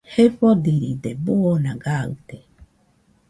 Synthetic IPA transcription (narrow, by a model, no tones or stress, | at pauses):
heɸod̪iɾid̪eboːnaɡaɨ̰t̪e